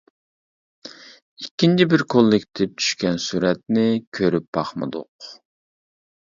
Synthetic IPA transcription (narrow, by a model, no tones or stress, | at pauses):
ikʲːint͡ʃʰibɪɾkʰolˠːɪkʲt̪ʰɪp̚t͡ʃ̪ʰy̥ʃkʲɛnsuɾɛt̪nɪkʲʰøɾyp̚b̥ɑχmɨ̰d̪ʊ̰q